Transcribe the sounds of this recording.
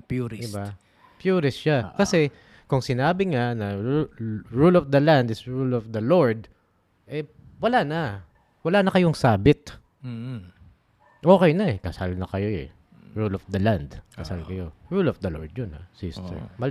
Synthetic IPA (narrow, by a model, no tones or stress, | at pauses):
pjuɾɪdɪba | pjuːɾɪsʃakɐsɛ | kʊŋsɪnaːbɪŋanɐɹuɹulɔfd̪ɐland̪ɪsɹulɔfd̪ɐloɹd̪̚ | ʔɛ | wɐlaːnɐ | wɐlaːnɐkɐjoŋsaːbɪt̪̩̚ː | ʔoːkɛjnɐɛkɐsalnɐkɐjo̞ɛ̰ | ɹulɔfd̪ɐland̪kɐsalkɐjo̞ɹulɔfd̪ɐlo̰ɹd̪̚jonha̰sist̪ɛ̰ɹmɐ